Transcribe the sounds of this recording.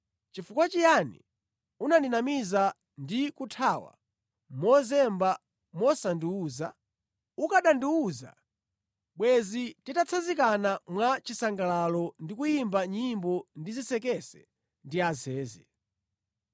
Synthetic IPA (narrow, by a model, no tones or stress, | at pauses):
t͡ʃifukwat͡ʃijanḭ | unandinamiza | ndikutʰawa̰ | mɔzɛmba | mɔsandiuːza | ukaɗandiuːza̰ | ɓwɛzititat͡sʰazikanamwat͡ʃisaŋɡalalɔndikujimbaɲimbɔndizisɛkɛsɛ̥ | ndiazɛːzɛ